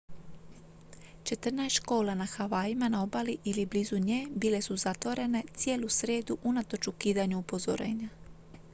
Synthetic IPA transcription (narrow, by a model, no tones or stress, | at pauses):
t͡ʃe̞t̪r̩naest͡ʃko̞ːlanaxaʋaːjimanao̞baliʔilibliːzuɲeːbile̞suzat̪ʋo̞ɾe̞ne̞t̪sje̞ːlusɾe̞ːd̪uʔunat̪o̞t͡ʃukiːd̪aɲuupo̞zo̰ɾe̞̰ːɲa